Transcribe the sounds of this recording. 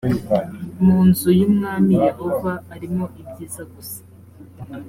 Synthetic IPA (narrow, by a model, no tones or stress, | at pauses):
muːnzujumŋaːnijehovaːɾimoʔibɟiːzaɡusḁ